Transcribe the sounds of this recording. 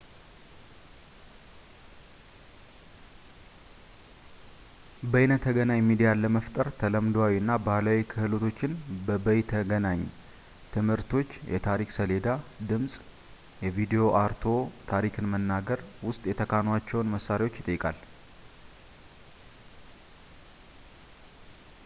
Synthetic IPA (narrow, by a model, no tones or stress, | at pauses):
bəjnət̪ʰːəɡənaɲmid̪ijaləməft̪ʼəɾt̪ʰələmd̪awiɨnːabalawikʰɨhɨlo̞t̪ʰo̞t͡ʃːɪnbəbəjt̪ʰəɡənaɲː | t̪ʰɨmhɨɾt̪ʰo̞t͡ʃːjɛ̰t̪ʰaɾikʼsəle̞d̪ad̪ɨmsʼ | jɛvid̪ijo̞ʔaɾt̪ʰo̞t̪ʰaɾikʰɨnmənːaɡəɾwʊst̪ʼjɛt̪ʰəkʰanwat͡ʃːɛwnməsːaɾewo̞t͡ʃːɪt̪ʼəjːɪkʼa̰l